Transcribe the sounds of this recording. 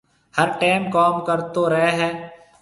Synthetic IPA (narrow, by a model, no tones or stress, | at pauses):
həɾʈeːmkɔːmkəɾt̪oɾɐɦeɦɛː